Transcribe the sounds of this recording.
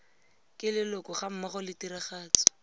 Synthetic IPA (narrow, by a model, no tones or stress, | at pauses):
kʼɪlɪlʊkɔχam̩maχʊlɪtiɾɪχaːt͡sɔ̥